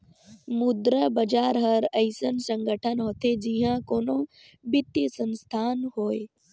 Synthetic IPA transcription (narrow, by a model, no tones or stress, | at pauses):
mʊd̪ɾəbɐd͡ʒaːɾɦɐɾɐɪsənsə̃ŋɡəʈʰənɦoːt̪ʰed͡ʒiɦãkoːnõ | bɪt̪jəsə̃nst̪ʰaːnɦoːe